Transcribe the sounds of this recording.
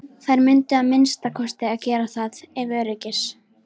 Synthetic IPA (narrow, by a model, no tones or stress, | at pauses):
θajɾmʏnt̪ɪaðmɪnst̪akʰɔst̪ɪaðcɛːɾaθaðɛvœːɾɪcɪs